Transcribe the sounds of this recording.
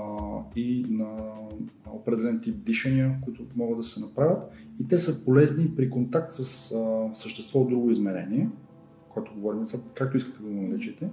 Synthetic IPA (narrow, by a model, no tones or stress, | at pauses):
inɐ | opɾɛd̪ɛlɛnt̪ip̚d̪iʃɐniəkoit̪ʊmɔɡəd̪ɐsɛnɐpɾavʲət̪it̪ɛsəpolɛznipɾikont̪ak̚t̪səsfsəʃt̪ɛst̪vɔod̪ːɾuɡʊizmɛɾɛ̰niɛ | koɛt̪oɡovɔɾimlɛsakak̚t̪oiskə̥t̪ɛd̪ɐnnɐlɛt͡ʃit̪ɛ